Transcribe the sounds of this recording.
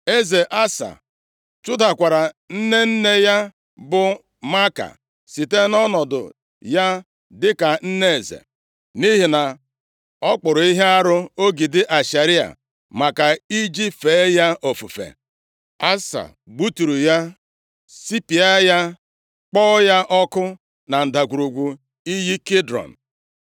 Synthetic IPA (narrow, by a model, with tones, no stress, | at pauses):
e˦ze˨ʔa˦sa̰˨ | t͡ʃʊ˦da˨kʷa˨ɾa˨n̩˦ne˦n̩˦ne˦ja˦ | bʊ˨ | ma˦ka̰˨ | si˨te˦nɔ˦nɔ˨dʊ̰˨ | ja˦ | dɪ˦ka˨n̩˦ne˦e˨zḛ˨ | ni˦ɦi˨na˨ | ɔ˦k͡pʊ˨ɾʊ˨i˦ɦe˦a˦ɾʊ˦o˦ɡi˨dɪ˦ʔa˨ʃa˨ɾi˦a̰˨ | ma˨ka˨i˦d͡ʒi˦fe˨˦ja˦ʔo˨fu˨fḛ˨ | a˦sa̰˨ | ɡ͡bu˦tu˨ɾu˨ja˦ | si˦pi˨a˦ja˦ | k͡pɔ˦ja˦ʔɔ˦kʊ˦ | na˨n̩˨da˨ɡʷu˨ɾu˨ɡʷu˨ | i˦ji˦ke˦dɾɔ̰˨n̩˨